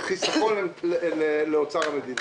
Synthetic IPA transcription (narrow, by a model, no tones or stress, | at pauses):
χisaχo̞nemlleleot͡saʁamed̪in